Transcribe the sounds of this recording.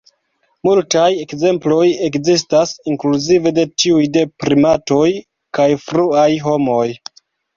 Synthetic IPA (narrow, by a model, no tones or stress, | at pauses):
multaje̞kze̞mplo̞je̞kzis̬tasiŋkluzive̞de̞t͡ʃiujde̞pɾimato̞j | kajfɾuajɦo̞mo̞j